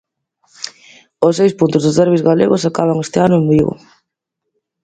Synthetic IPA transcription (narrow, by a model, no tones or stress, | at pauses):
osːejspunt̪ʊzðʊzðɛɾβizɣalḛɣosakaβ̞aŋest̪ɪanʊembiɣʊ̰